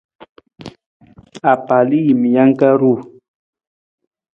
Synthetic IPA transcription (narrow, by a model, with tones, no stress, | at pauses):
a˨pa˨li˦ji˨mi˨ja˦ŋ˦ka˦ɾu˦˨